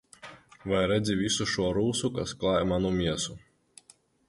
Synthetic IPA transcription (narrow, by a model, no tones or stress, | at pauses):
vajɾɛd̪zʲivʲisuʃuɔɾuːsukasklˠaːjmanumʲiɛsu